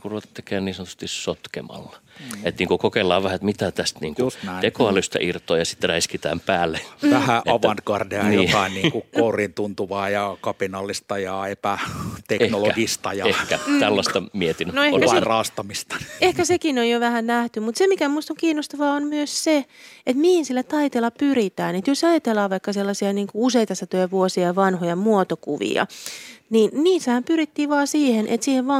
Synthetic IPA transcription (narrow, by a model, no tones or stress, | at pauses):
kuruot̪et̪ːekeːnniːsɑnt̪u̥st̪ːissot̪kḛmɑ̰lːɑet̪niːŋkukokelːɑːʋʋæhæet̪mit̪æt̪æst̪nḭːŋkuekoɑlːˑyst̪ɑ̰ʔirt̪oːjɑsi̥t̪ræiskit̪æ̰ːmpæːlːeʋæhæʔɑʋɑnt̪ɡɑrdeɑnioːɑiniːkukourint̪unt̪uʋɑːjɑkɑpinɑlːist̪ɑjɑepæt̪ekenoloæɡist̪ɑjɑehkæt̪ælːɑst̪ɑmiet̪innoehkærɑːst̪ɑmist̪ɑ̥ehkæsekinojjoʋæhænnæht̪ymut̪semikæmuist̪oŋkiːnːost̪ɑʋɑːonmyøsse | et̪mihinsilːæt̪ɑit̪elːɑpyrit̪æːnet̪josɑjɑt̪elːɑːʋɑikːɑselːɑsiɑniːŋkuuseit̪ɑsːɑt̪øjæʋuosiɑʋɑnhojɑmuot̪okuʋḭɑ̰ninniːsːæhæmpyrit̪ːiːʋɑːsiːhenʔḛt̪siːheʋʋɑː